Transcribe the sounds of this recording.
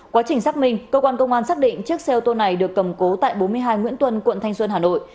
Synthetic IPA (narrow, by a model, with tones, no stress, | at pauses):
kwaː˨˦t͡ɕï˨˩ŋ̟saː˦˥k̚mï˧ŋ̟kəː˧kwaː˧nkə˧wŋ͡mʔaː˧nsaː˦˥k̚ɗḭ˧˨ŋ̟t͡ɕɨ˦˥ək̚sɛ˧ʔə˧t̪o˧na˨˩jɗɨ˨˩əkːə˨˩mko˨˦t̪a̰ː˧˨jɓo˨˦nmɨ˧əjɦaː˧jŋwḭ˧˥nt̪wə˧nkwə̰˧˨nt̪ʰa˧jŋ̟swə˧nhaː˨˩no̰˧˨jʔ